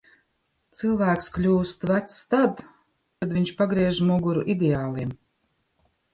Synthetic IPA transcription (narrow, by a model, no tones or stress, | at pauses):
t̪sɨlˠvæːksklʲuːst̪væt̪st̪ad̪ | kad̪vʲiɲʲt͡ʃpaɡɾiɛʒmuɡuɾuʔid̪ʲɛaːlˠim